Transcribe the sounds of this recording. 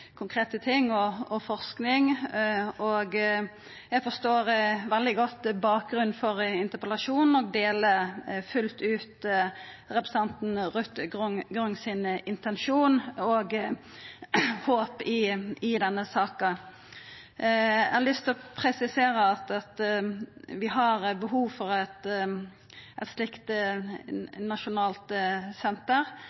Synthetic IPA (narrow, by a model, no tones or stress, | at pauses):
kʰʊŋkʰɾeːt̪ət̪ʰɪŋːɔɔfɔʁsknɪŋ | ɔɡ | jæɡfɔst̪oːɾʋɛld̪ɪɡɔt̪ːbɑːk̚ɡɾʉnfɔɾɪnt̪əpəlɑʃuːnn̩ɔɡ̚d̪eːləfʉlt̪ʉːt̪ | ɾɛpɾɛsɑnt̪n̩ʁʉt̪ɡɡɾʉŋsɪnɪnt̪ɛnʃuːnɔɡ | hoːpɪɪd̪ɛnːəsɑːkɑ | æhɑlʏst̪ʰɪlɔpʰɾɛsɪseːɾəɑt̪ɑt̪ | ʋɪɦɑɾbəɦuːʋfɔɾɛt̪ | ʔɛt̪slɪkt̪ | nɑʃʊnɑːlt̪sɛnt̪əʁ